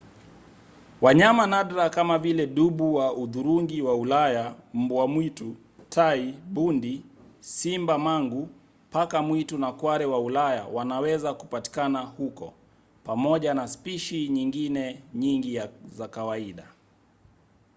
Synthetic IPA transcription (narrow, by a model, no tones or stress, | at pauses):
waɲamanaɗɾakamavilɛɗuɓuwaʔuðuɾuŋɡiwaulajam̩buamwitu | tʰaiɓundisimbamaŋɡu | pakamwitunakwaɾɛwaulaja̰wanawɛzakupati̥kanahukɔ̰ | pamɔʄanaspiʃiɲiŋɡinɛɲiŋɡijazakawaiɗa